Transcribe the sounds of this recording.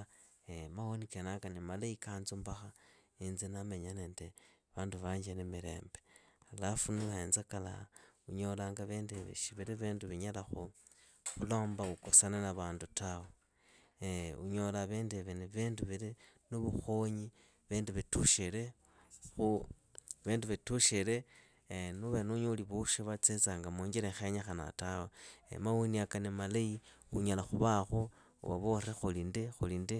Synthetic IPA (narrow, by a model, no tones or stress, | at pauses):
emahonikenaŋkanimalaikaːnzumbaxa | inzinameɲaneːnde | βaːnduβaːɲd͡ʒenemiɾe̞̰ːmbealafunuxeːnzakala̰uɲo̞laːŋɡaβeːndeβḛʃiβiɾiβeːnduβiɲalaxu | xulo̞ːmbaukosananaβaːndutawe | ṵɲo̞laβeːndeβeneβenduβile | nuβuxoɲi | βeːndiβetuʃele | xu | βeːnduβetuʃele | nuβenuɲuuliβuʃiβat͡set͡saŋɡamoːɲɡiɾexeɲexana̰tawoḛmawuniakanemalai | uɲalaxuβaxo | ṵβa̰βorexulindexulindi